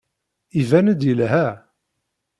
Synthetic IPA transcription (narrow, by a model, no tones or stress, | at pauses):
ivænəd̪jəlɦæ